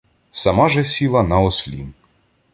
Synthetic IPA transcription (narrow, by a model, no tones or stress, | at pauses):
sɐmaʒɛsʲilˠɐnɐɔsʲlʲḭn